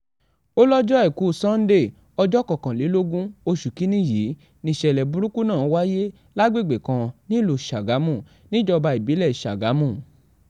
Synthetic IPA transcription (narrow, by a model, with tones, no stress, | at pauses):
o˦lɔ˦d͡ʒɔ˦ɛ˦˨ku˨˦˨sã˦n̩˦de˦˨ | ɔ˧d͡ʒɔ˦˨kɔ˨kã˨li˨˦lo˦ɡũ˦o˧ʃu˨ki˨˦nĩ˦˨ji˨˦ | nĩ˧˨ʃɛ˨lɛ˨bu˨˦ɾu˦ku˦nãː˦˨˦wa˦je˦ | la˦ɡ͡be˦˨ɡ͡be˨kã˧nĩ˦lo˨ʃa˨ɡa˨˦mũ˦˨ | nĩ˦d͡ʒɔ˧ba˧i˨bi˨˦lɛ˦˨ʃa˨ɡa˨˦mũ˦˨